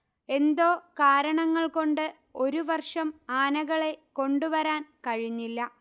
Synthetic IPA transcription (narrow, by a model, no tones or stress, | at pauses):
e̞nd̪o̞ːkaːɾɐɳɐŋːɐɭko̞ɳɖɨ | o̞ɾuʋɐrʂɐmaːnɐɣɐɭe̞ko̞ɳɖuʋɐɾaːnkɐɻiɲːilːɐ